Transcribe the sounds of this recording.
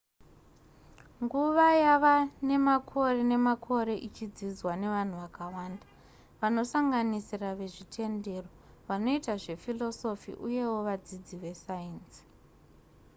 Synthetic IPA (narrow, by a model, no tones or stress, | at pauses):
ŋɡuʋajaʋane̞makʰo̞re̞ne̞makʰo̞ɾe̞ʔit͡ʃid͡zid͡zwane̞ʋan̤uʋakawaːnda | ʋano̞saŋɡanisiraʋe̞ʐitʰe̞nde̞ro̞ | ʋano̞itaʐe̞filo̞so̞fḭʔuje̞wo̞ʋad͡zid͡ziʋe̞sains